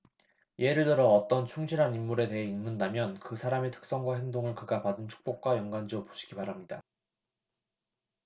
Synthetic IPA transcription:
je̞ɾɯɭtɯɾʌːt͈ʌnt͡ɕʰuŋd͡ʑʰiɾɦanimːuɾe̞te̞ɦeinnɯndamjʌnkɯsʰaɾametʰɯ̥k̚s͈ʌŋɡwaɦe̞ŋdoŋɯɭkɯɡapadɯnt͡ɕʰu̥k̚p͈ok̚k͈wajʌŋɡwand͡ʑopo̥ɕʰi̥ɡ̥ipaɾamɲida

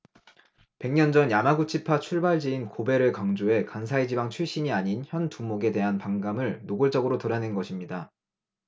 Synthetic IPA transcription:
pe̞ŋɲʌnd͡ʑʌnjamaɡut͡ɕʰipʰat͡ɕʰuɭbaɭd͡ʑiinkobe̞ɾɯɭkaŋd͡ʑoɦe̞kansʰaed͡ʑibaŋt͡ɕʰɥiɕ͈iɲiaɲinçjʌntumoɡe̞de̞ɦanpaŋɡamɯɭnoɡɯɭt͡ɕ͈ʌɡɯɾotoɾanenɡʌɕʰimɲida

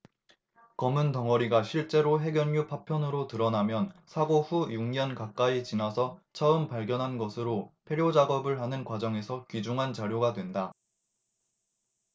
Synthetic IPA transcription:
kʌmɯntʌŋʌɾiɡaɕʰiɭt͡ɕ͈e̞ɾoɦe̞ɡjʌnːupʰapʰjʌnɯɾotɯɾʌnamjʌnsʰaɡoɸujuŋɲʌnkak͈̚ait͡ɕinasʰʌt͡ɕʰʌɯmpaɭɡjʌnɦanɡʌsʰɯɾopʰeɾjod͡ʑaɡʌbɯɭɦanɯnkwad͡ʑʌŋe̞sʰʌkɥid͡ʑuŋɦant͡ɕaɾjoɡadwe̞nda

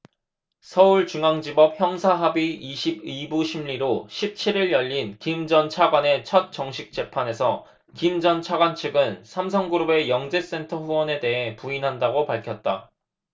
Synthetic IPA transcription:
sʰʌuɭt͡ɕuŋaŋd͡ʑibʌp̚çjʌŋsʰaɦabiiɕʰibibuɕʰimʎiɾoɕʰip̚t͡ɕʰiɾiɭjʌʎːinkimd͡ʑʌnt͡ɕʰaɡwane̞t͡ɕʰʌt̚t͡ɕ͈ʌŋɕʰik̚t͡ɕ͈e̞pʰane̞sʰʌ | kimd͡ʑʌnt͡ɕʰaɡwant͡ɕʰɯɡɯnsʰams̬ʰʌŋɡuɾube̞jʌŋd͡ʑe̞s͈e̞ntʰʌɸuwʌne̞de̞ɦe̞puinɦandaɡopaɭkʰjʌt̚t͈a

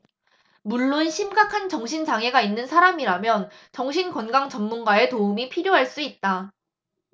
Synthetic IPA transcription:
muɭːonɕʰimɡakʰant͡ɕʌŋɕʰint͡ɕaŋɦe̞ɡainːɯnsʰaɾamiɾamjʌn | t͡ɕʌŋɕʰinkʌnɡaŋt͡ɕʌmːunɡae̞toumipʰiɾjoɦaɭs͈uit̚t͈a

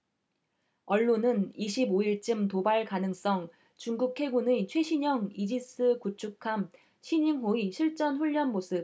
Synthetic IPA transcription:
ʌɭːonɯniɕʰiboiɭt͡ɕ͈ɯmtobaɭkanɯŋs͈ʌŋ | t͡ɕuŋɡukʰe̞ɡunɯt͡ɕʰwe̞ɕʰiɲʌŋid͡ʑis͈ʰɯkut͡ɕʰukʰam | ɕʰiɲiŋɦoiɕʰiɭt͡ɕ͈ʌnɸuʎːʌnmosʰɯ

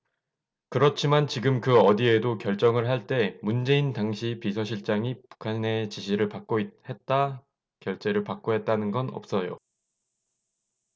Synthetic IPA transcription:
kɯɾʌt͡ɕʰimant͡ɕiɡɯmkɯʌdie̞dokjʌɭt͡ɕ͈ʌŋɯɭɦaɭt͈e̞mund͡ʑe̞intaŋɕʰipisʰʌɕʰiɭt͡ɕ͈aŋipu̥kʰane̞t͡ɕiɕʰiɾɯɭpak̚k͈oit̚he̞t̚t͈a | kjʌɭt͡ɕ͈e̞ɾɯɭpak̚k͈oɦe̞t̚t͈anɯnɡʌnʌ̰p̚s͈ʌjo̰

